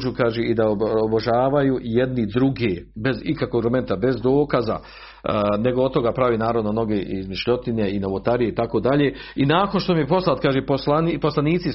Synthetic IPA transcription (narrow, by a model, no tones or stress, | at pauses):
d͡ʒuːkaːʒeid̪aooboʒaːʋajuːjed̪nid̪ɾuɡebe̞zikakoɡɾome̞nt̪abe̞zd̪o̞ːkaza̰ | ne̞ɡood̪̚t̪o̞ɡaːpɾaʋiːnaːɾaʋnono̞ɡeʔizmiʃʎo̞t̪ineinaʋot̪aɾijeit̪akoːd̪aʎe̞inaːko̞nʃt̪o̞mijepo̞slˠat̪kaːʒeposlanpo̞slaniːt̪si